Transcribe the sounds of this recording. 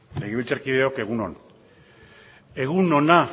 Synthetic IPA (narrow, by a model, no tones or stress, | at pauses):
leɣiβilt͡saɾkiðe̞o̞ke̞ɣuno̰n | e̞ɣunona